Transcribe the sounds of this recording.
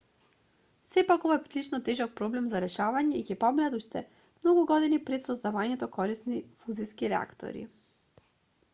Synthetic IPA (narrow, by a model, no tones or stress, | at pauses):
sɛpakɔvɔjpt̪lit͡ʃnɔt̪ɛʒɔk̚pɾɔblɛmzaɾɛʃavaɲɛicɛpɔminat̪uʃt̪ɛ | mnɔɡuɡɔd̪inipɾɛt̪sɔzd̪avaɲɛt̪ɔkɔɾisnifuziskiɾɛa̰kt̪ɔ̰ɾḭ